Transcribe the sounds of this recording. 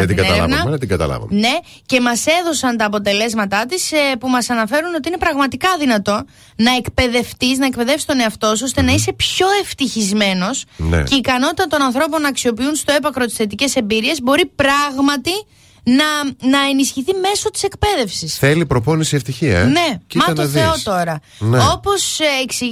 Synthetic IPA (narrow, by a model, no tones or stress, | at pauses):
ɐt̪iɡɐt̪ɐlɐ̰nɐɐmeɐt̪iŋɡɐt̪ɐ̰lɐ̰vɐ̰mne̞ | ce̞mɐse̞ðo̞sɐnt̪ɐːpo̞t̪e̞le̞zmɐt̪ɐt̪ispumɐsɐnɐfe̞ɾuno̞t̪iine̞pɾɐɣmɐt̪ikɐðinɐt̪o̞ | nɐe̞kpe̞ðe̞ft̪isnɐek̚pe̞ðe̞fsi̥st̪o̞neɐft̪o̞so̞st̪e̞nɐise̞pço̞e̞ft̪içizme̞no̞snḛceikɐno̞t̪it̪ɐt̪o̞nɐnθɾo̞po̞nɐksio̞piunst̪o̞e̞pɐkɾot̪isθe̞t̪ice̞se̞mbiɾie̞zbo̞ɾipɾɐɣmɐt̪i | nɐnɐe̞nisçiθime̞so̞t̪i̥se̞kpe̞ðe̞fsisθelipɾoponisieft̪içiɐ̰ne̞mɐt̪oθeot̪o̞ɾɐ | no̞po̞seksi